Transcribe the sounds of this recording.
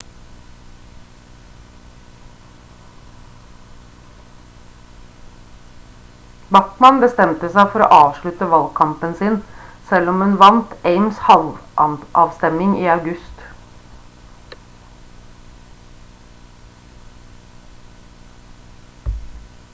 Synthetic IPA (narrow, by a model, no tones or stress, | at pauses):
bɑʈmɑnbəst̪ɛmt̪əsæɪfɔɾo̰ːʔɑːʋʂɭʉt̪əʋɑlɡkʰɑmpənsɪnsɛlɔmhʉnʋɑnt̪eɪmshɑlʋʔɑʔɑːʋst̪ɛmɪŋiːɑʉɡʉst̪